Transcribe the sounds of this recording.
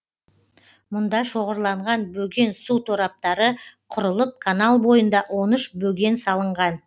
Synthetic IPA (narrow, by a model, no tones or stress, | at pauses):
mʊnd̪ɑʃo̞ʁəɾlˠɑɴʁɑnbɵɡʲe̞nsut̪ʰoɾɑp̚t̪ɑɾəqʰʊɾəlˠəp̚kʰanɑlˠbo̞jənd̪ɑʔwo̞nʏʃbɵɡʲe̞nsɑlˠəɴʁɑn